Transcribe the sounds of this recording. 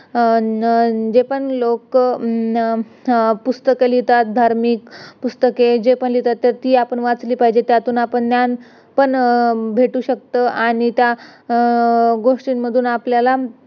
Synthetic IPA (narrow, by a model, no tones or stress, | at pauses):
d͡ʑepəɳlok | pust̪əkelit̪at̪̚d̪ʱaɾmikpust̪əked͡ʑepəɳlit̪at̪ːjaɾt̪iːapəɳʋat͡sliːpaɦid͡ʑet̪jat̪uːnapəɳt̪jan | pəɳbʱeʈuːɕək̚t̪əʔaɽ̃it̪ja | ɡoʂʈinməd̪ʱuːnapljala